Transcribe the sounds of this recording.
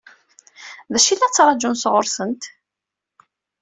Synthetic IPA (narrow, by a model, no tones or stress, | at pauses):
ðæʃilːæt͡sːɾˤɑd͡ʒunsʁʊɾsənt̪